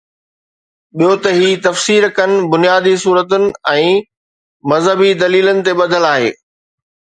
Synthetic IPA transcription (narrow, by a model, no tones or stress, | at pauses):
ɓijot̪ɐɦiːt̪ɐfsiːɾkɐnɪ̆bʊnijaːd̪isuːɾət̪ʊnɪ̆ɛ̃ː | mɐzɦəbid̪ɐliːlənɪ̆t̪eɓɐd̪ʱəlaːɦḛː